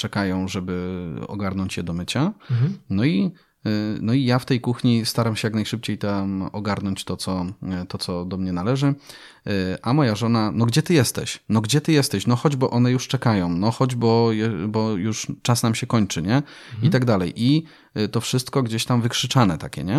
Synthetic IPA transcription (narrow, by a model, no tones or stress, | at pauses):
t͡ʂɛkajɔ̃w̃ʐɛbɘɔ̰ɡaɾnɔɲt͡ɕjɛd̪ɔmɘt͡ɕanɔi | nɔijaft̪ɛjkuxɲist̪aɾamɕɛjaknajʂɘp̚t͡ɕejt̪amɔɡaɾnɔɲt͡ɕt̪ɔt̪sɔt̪ɔt̪sɔd̪ɔmɲɛnalɛʐɘ | ʔamɔjaʐɔnanɔɡd͡ʑɛt̪ɘjɛst̪ɛ̰ɕnɔɡd͡ʑɛt̪ɘjɛst̪ɛɕnɔxɔd͡ʑbɔʔɔnɛjuʂt͡ʂɛkajɔ̃w̃nɔxɔd͡ʑbɔjɛbɔjuʂt͡ʂasnamɕɛkɔɲt͡ʂɘɲɛ | it̪aɡd̪alɛjʔi | t̪ɔfʂɘst̪kɔɡd͡ʑeɕt̪amvɘkʂɘt͡ʂanɛt̪akʲɛ̰ɲɛ